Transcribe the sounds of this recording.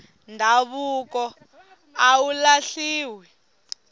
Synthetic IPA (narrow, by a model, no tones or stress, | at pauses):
ndʱaβukɔ | aulaɬiːwɛ